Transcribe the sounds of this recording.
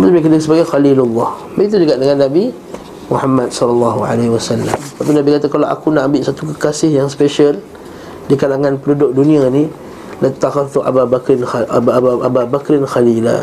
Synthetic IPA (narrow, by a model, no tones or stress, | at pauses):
bt̪umikədəsəbaɡajxalilulːɑh | baɡit̪ud͡ʒuɡaʔdəŋanːabi | muhamːat̪̚sɔlalːɑɦua̰lawasalːa̰mt̪apinabikat̪akalaʔa̰kunaʔambɪʔsat̪ukəkasɪhjaŋspeʃəl | dikalaŋãnpənudʊk̚dunĩani | lat̪ːaxat̪uʔa̰baakɾɪnaaʔababakɾɪnxalila̰